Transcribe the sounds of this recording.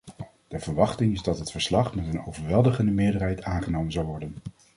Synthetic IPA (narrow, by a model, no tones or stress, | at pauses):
d̥əvəɹʋɑχtɪŋɪzdɑtɦətfəɹslɑχmɛtənowvəɹʋɛlˠdəχəndəmɪːɹdərɦɛjtʰaːnχənowmənzɑwʋɔɹdən